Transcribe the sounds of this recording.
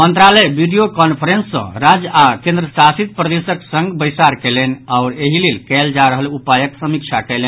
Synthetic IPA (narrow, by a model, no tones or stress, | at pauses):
mənt̪ɾalɛbiɖijokɔnpʰəɾensːə̰̃ɾad͡ʒakẽnd̪ɾəsasit̪̚pɾəd̪esəksə̃ŋɡbəjsaɾkɛlɛnaʊɾeɦilelkɛld͡ʒaɾəɦəlupajəksəmik̚t͡ʃʰakɛle